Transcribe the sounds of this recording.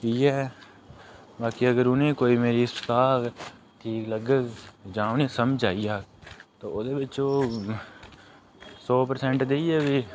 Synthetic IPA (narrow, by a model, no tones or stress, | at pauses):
iːɦɛː | baːkiːəɡəɾʊnẽkoːiːmeːɾist̪aːk | ʈʰiːkləɡəd͡ʒãːneːsəmd͡ʒaːiaːt̪oːoːd̪eːbɪt͡ʃoː | sɔːpəɾsɛ̃ɳʈd̪eiɛːʋiː